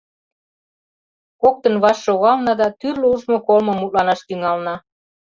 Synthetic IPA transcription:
kok̚t̪ɤnβɑʃːoɣɑlnɑd̪ɑt̪yrleuʒmokolmɤ̆mːut̪̚lɑnɑʃt̪yŋɑlnɑ

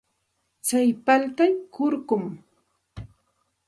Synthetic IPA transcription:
t͡sajpalt̪ajkʊɾɢʊm

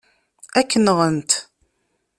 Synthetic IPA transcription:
ækːənʁˤənt̪

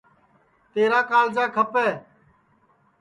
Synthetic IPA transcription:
t̪eːɾaːkaːld͡ʒaːkʰəpɛː

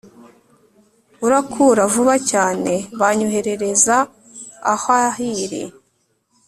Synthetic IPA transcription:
uɾakʰuːɾavuβacaːne̞βaɲoɦe̞ɾe̞ɾe̞za̰ː | hahiɾḭ

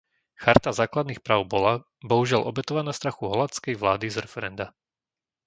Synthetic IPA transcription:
xaɾt̪azaːklad̪niːxpɾaːʊbɔla | bɔɦuʒɪalʔɔ̰bɛt̪ɔʋanaːst̪ɾaxuɦɔlat͡skɛjʋlaːd̪izɾɛfɛɾɛnd̪a

